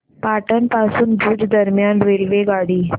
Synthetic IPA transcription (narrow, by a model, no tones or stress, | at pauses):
paʈənpasuːnd̪ʱuːd͡zd̪əɾmjanʋelʋeɡaɽiː